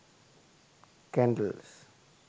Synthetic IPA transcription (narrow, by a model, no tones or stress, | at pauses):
kɛ̃ɳɖəls